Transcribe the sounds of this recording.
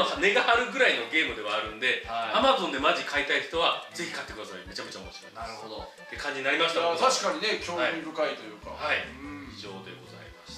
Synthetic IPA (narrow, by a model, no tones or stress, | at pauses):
ohane̞ɡahaɾɯ̟ɡɯ̟ɾaino̞ɡe̞ːmɯ̟d̪e̞βaːɾɯ̟̃nd̪e̞aamazõ̞nd̪e̞maʑikʰait̪aiçt̪o̞β̞ad͡ze̞çi̥kat̪ːekɯ̟d̪asaime̞t͡ɕakɯ̟t͡ɕao̰moɕiɾo̞̰ḭmnaɯod̪o | d̪̥ekʰãɲ̟d͡ʑiɲinaɾʲimasɕt̪at̪ʰaɕi̥kaɲine̞kʲoːaiɲibɯ̟kait̪o̞jɯ̟ːka̰haiiʑo̞ːd̪e̞̰ɡo̞̰za̰imasɨ̥